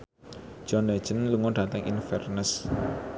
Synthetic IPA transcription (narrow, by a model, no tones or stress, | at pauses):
d͡ʒ̥ɔnlɛ̥d͡ʒ̥ənluŋɔd̥at̪əŋḭnfɛ̰rnəs